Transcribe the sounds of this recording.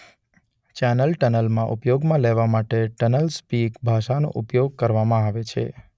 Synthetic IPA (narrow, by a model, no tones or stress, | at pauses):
t͡ʃɛnəlʈənəlmãʔupjoɡmãleʋamaʈeʈənəlspikbʱaʃanõ̰ʔupjoɡ̚kəɾʋamãaʋet͡ʃʰḛ